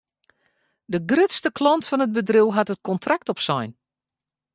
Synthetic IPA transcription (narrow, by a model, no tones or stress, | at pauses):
dəɡrɪtstəklɔntfɔnəd̚bədriwɦatət̚kɔntrak̚tɔpsɔ̰jn